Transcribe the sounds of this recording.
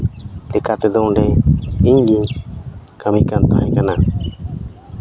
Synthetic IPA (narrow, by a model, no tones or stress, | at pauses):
lɛkat̪ɛd̪ɔɔ̃ɖɛiɲɡiɲ | kəmikant̪aɦɛ̃kana